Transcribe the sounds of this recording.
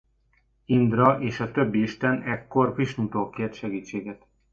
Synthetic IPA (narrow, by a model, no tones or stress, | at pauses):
ind̪rɒʔeːʃɒt̪ø̞bːiiʃt̪ɛnɛkːo̞rviʃnut̪oːkeːrt̪ʃɛɡiːt͡ʃːeːɡɛt̪